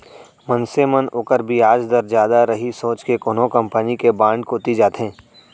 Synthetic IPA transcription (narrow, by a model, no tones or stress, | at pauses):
mɐnsemənʊːkəɾbʱiaːd͡ʒd̪əɾd͡ʒjaːd̪aɾɐɦisoːt͡ʃkekoːnõkɐ̃mpənikebãːɳɖ̚koːt̪id͡ʒaːt̪ɦɛ̃ː